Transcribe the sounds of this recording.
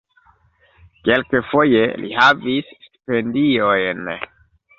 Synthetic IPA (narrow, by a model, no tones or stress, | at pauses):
kelkefo̞jelʔḭhavissti̥pendiojn